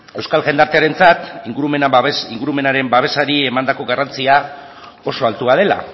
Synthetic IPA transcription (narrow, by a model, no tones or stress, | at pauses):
e̞wskalʝe̞nd̪aɾt̪e̞aɾe̞nt͡sat̪iŋɡuɾumeniŋɡuɾume̞naɾe̞mbaβ̞e̞saɾie̞mand̪ako̞ɣarant͡sia | o̞so̞alt̪uaðe̞la̰